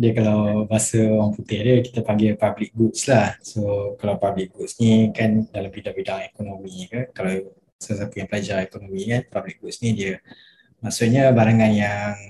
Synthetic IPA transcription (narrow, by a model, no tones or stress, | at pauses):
diəkalawbasəoɾaŋput̪edəki̥t̪əpaŋɡipablik̚buʔslahsokalawpablik̚buʔsnikandalampidaʔpidaŋekonomikəkalaw | səsat̪ujaŋpəlad͡ʒaekonomikanpablik̚buʔsnidiə | maʔsuʔɲəbaɾaŋanjaŋ